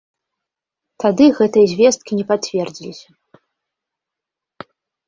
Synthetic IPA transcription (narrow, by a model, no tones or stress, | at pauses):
t̪ad̪ɨɣɛt̪ɨjɐzʲvʲɛst̪̚kʲinʲɛpavʲɛrd͡zʲilʲisʲɐ̥